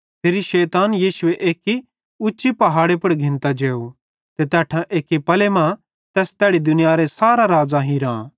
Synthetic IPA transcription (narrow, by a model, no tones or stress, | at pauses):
pʰeːɾiʃɛːt̪aːnjiːʃʊeʔeːki | ʊːt͡ʃipɐɦaːɽepɐɽɡʱɪ̃nt̪ad͡ʒeːo | t̪et̪ɛːʈʰãʔeːkipɐlemã | t̪ɛːst̪ɛːɽid̪ʊnɪjaɾesaːɾaɾaːd͡ʒaɦĩɾãː